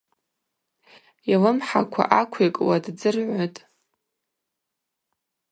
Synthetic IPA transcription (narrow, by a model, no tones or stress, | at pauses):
jalɨmħakʷʰa̰ʔakʷʰekʼwadd͡zɨrʕʷatʼ